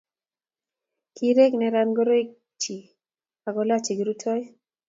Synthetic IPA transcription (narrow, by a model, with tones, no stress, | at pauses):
kʰiɾe˦knɛ˨ɾanɡɔɾo˦i˦k̚ | t͡ʃi˨ | a˨ɡɔla˦t͡ʃi˨ɡɾu˦tʰɔ˦j